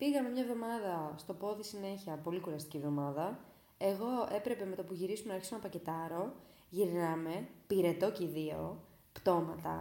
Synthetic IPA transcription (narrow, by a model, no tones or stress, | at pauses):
piɣɐme̞mɲɐvðo̞mɐðɐst̪o̞po̞ðisine̞çiɐpo̞likuɾɐst̪icivðo̞mɐðɐ | e̞ɣo̞e̞pɾe̞pe̞me̞t̪ɐpuʝiɾisumenɐɾçisonɐpɐcet̪ɐɾo̞ | ʝiɾnɐme̞piɾe̞t̪o̞ciðio̞̰ | pt̪o̞mɐt̪ɐ̰